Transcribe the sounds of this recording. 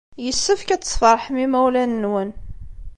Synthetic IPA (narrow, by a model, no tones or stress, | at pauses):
jəsːəfkæt͡sːə̥sˤfɑɾˤħmimæwlænəːwən